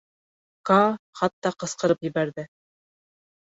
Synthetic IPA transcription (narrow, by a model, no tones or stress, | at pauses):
kɑχɑt̪ːɑqɤ̆sqɤ̆ɾɤpjɘ̆bæɾðɘ